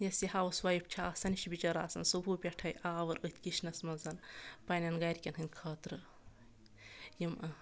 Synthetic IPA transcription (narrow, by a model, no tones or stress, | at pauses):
jɐsihaːwɐswajip̚t͡ʃʰaːsɐniʃbit͡ʃɐɾaːsɐnsubuːpʲeʈʰɐjʔaːʋɐɾɨt̪ʰʲkiʃnɐsmɐzɐnpɐnʲɐnɡɐɾʲkʲɐnɦɨnʲkʰɐːt̪ɾɨ | jim